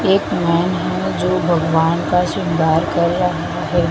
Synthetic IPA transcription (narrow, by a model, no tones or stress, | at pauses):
eːkmɛːnɦɛ̃d͡ʒoːbʱɐɡʋaːnkaʃɪ̃nd̪ʱaːɾkɐɾːɐɦ | aɦɛː